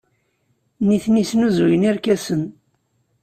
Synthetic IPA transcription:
niθnisnuzujəniɾkæsən

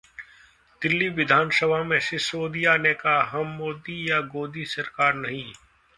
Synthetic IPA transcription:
d̪̥ɪlːiʋɪd̪ʱaːnsəbʱamẽʃɪsoːd̪ijanekaɦɐmːoːd̪ijaɡoːd̪isɐɾkaːɾnɐɦĩː

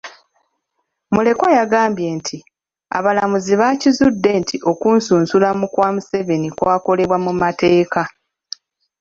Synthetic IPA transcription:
mule̞kwajaɡaːmbje̞ːntʰi | a̰βalamuziβaːcizudːe̞ntʰiʔo̞kuːnsuːnsulamukwaːmuse̞βe̞nikwaːko̞le̞βwamumate̞ːka

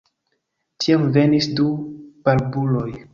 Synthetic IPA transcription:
tʰiamve̞nisdub̥aɾbulo̞j

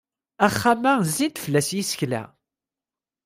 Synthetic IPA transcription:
æχːamæzːid̪fəlːæsjisə̥çlæ̰

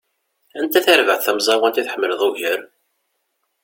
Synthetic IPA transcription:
ænt̪æθæɾvəʕθθæmzˤɑwænt̪iθħəmːələðˤuʝəɾ

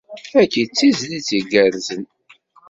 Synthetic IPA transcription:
ækːit͡sːizlit͡sːiɡəɾzən

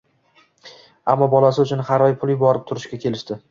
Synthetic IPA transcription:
a̰mːɒbɒlasɪʊt͡ʃʰʊnhaɾɒjpʰʊlˠɪjbɒɾɪp̚t̪ʰʊɾɪʃkʲakʲʰe̞lɪʃt̪ɪ

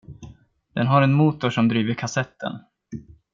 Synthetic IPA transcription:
d̪̥ɛnɦaɾɛnmuːt̪ʊʂɔmd̪ɾiːvəɾkʰasɛt̪ʰːə̰n

